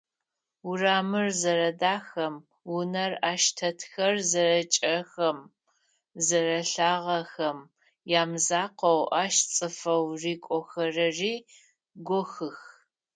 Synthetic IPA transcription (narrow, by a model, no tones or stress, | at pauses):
ʊraːmɨrzɐɾɐdaːxɐm | wʊnɐraːʃtʰɐtʰxɐrzɐɾɐt͡ʃʼɐxɐm | zɐrɐɬaːʁɐxɐm | jaːmzaːqɐwʔaːʃt͡sʼɨfɐwriːkʷʼɔxɐrɐriː | ɡʷɔxɨx